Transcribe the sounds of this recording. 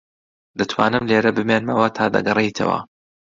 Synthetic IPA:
d̪ɐt̪ʰwaːnɨmleːɾɐbɨmeːnmɐwɐt̪ʰaːd̪ɐ̰ɡɐrejt̪ʰɐ̰wɐ̰

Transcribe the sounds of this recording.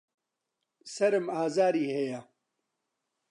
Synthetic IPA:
sɐɾɨmaːzaːɾiːhejɐ

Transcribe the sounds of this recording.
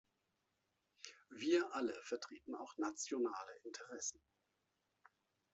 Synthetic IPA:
viːɐʔaləfɛɐtʁ̥iːtn̩a̰ʊxnat͡sjonaːləʔɪntʰəʁɛsn̩

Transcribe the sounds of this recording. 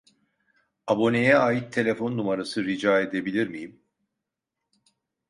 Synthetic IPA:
abo̞ne̞jɛaːjit̪ʰːe̞lʲe̞fo̞nːumaɾasɯɾid͡ʒaːe̞d̪e̞bilʲiɾmijim

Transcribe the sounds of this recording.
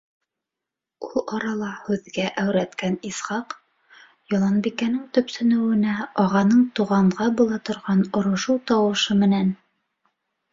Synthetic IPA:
ulˠɑɾɑlˠɑhʉðɡæʔæwɾæt̪kænisχɑq | jɑlˠɑnbikænɘŋt̪ɵ̆psɵ̆nɘ̆wɘ̆næɒʁɑnɤɴt̪uʁɑɴʁɑbulˠɑt̪ŏɾʁɑnŏɾŏʃuwt̪ɑwɤ̆ʃɤmɘ̆næn

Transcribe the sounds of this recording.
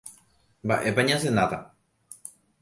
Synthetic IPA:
ba̰ʔepaɲas̬enat̪a

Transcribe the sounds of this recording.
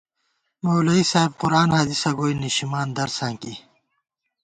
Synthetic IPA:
mɐwlɐisaːib̚qʊɾaːnhaːd̪isɐɡoːiniɕimaːnd̪ɐɾsãːŋki

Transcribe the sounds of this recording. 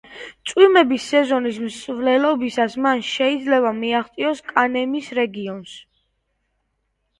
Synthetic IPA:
t̪sʼwimɛbisːɛzɔnis̬msvlɛlɔbisasmanʃɛid̪zlɛbamiaχt̪sʼiɔskʼanɛmisɾɛɡiɔns

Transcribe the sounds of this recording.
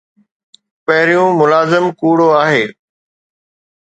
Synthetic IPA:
pɐɦɪɾijũmʊlaːzɪmkuːɽoaːɦeː

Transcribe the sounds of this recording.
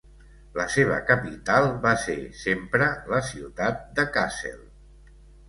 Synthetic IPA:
ləseβ̞ə̰kəpit̪alˠbasesempɾələsiwt̪at̪̚d̪əkasḛlˠ

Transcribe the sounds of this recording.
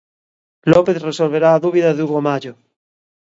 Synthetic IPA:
lopeθresolβ̞eɾaːðuβ̞iðaðuɣomaʎo

